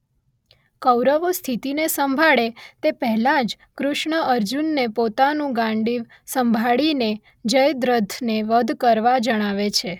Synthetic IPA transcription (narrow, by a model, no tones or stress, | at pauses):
kəwɾəʋost̪ʰit̪inesəmbʱaɭet̪epɛɦɛlãd͡ʒ | kɾʊʃɳəʔəɾd͡ʒunːepot̪anũɡãɳɖiʋ | səmbʱaɭine | d͡ʒəjd̪ɾəd̪ʰʱneʋəd̪ʱkəɾʋad͡ʒəɽ̃aʋet͡ʃʰe